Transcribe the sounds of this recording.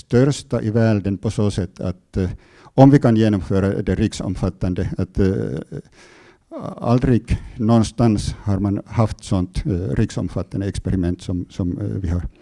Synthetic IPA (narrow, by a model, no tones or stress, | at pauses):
st̪œɾst̪aʔɪvæːɖənpʰɔsoːsɛt̪ʰːa̰t̪ | ɔmvɪkʰanjeːnɔmføːɾad̪ɛɾɪksɔ̰mfat̪ːand̪əat̪ | a̰ld̪ɾɪɡnɔnst̪anshaɾmanhaft̪sɔnt̪ɾʔɪksɔ̰mfat̪ːand̪əɛkspɛɾɪmɛnt̪sɔmsɔmvɪhaɾ